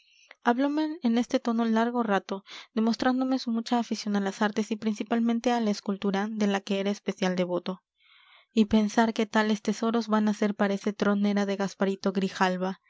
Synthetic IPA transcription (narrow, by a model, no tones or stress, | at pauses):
aβlo̞me̞ːne̞st̪e̞t̪o̞no̞laɾɣo̞rat̪o̞ðe̞mo̞st̪ɾand̪o̞me̞sumut͡ʃaːfisjo̞nalasaɾt̪e̞sipɾinsipalmẽnt̪e̞alaeskult̪uɾaðe̞lake̞eɾaespe̞sjald̪e̞βo̞t̪o̞ | ipe̞nsaɾke̞t̪ale̞st̪e̞so̞ɾo̞zβanase̞ɾpaɾaeset̪ɾo̞ne̞ɾaðe̞ɣaspaɾit̪o̞ɣɾixalβa